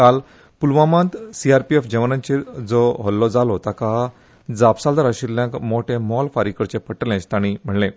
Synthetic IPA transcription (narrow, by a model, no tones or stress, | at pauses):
kal | pulʋamãnt̪siaɾpiefd͡ʑəʋnãɲt͡ɕiɾd͡zɔɦɔlːɔd͡zalɔt̪aka | d͡zapsald̪aɾaɕilːjãkmoʈʰẽmɔlfaɾikəɾt͡ɕepəʈəlãt͡ɕt̪aɽ̃im̤əɽlẽ